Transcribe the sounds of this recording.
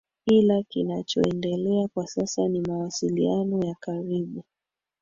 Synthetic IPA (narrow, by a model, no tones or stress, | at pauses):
kilakinat͡ʃɔ̰ɛndɛlɛakwasasanimawasilianɔjakaɾiɓu